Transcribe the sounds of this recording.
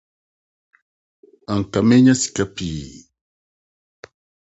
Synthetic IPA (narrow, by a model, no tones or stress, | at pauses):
aŋkameɲasi̥kapiː